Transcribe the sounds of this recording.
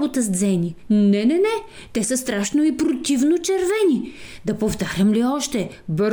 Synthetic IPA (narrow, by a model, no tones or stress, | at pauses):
bot̪əzd̪zɛninɛnɛnɛ | t̪ɛsəst̪ɾaʃnoipɾot̪ivnot͡ʃɛɾvɛni | d̪ɐpoft̪aɾʲəmliɔʃt̪ɛ | bɾ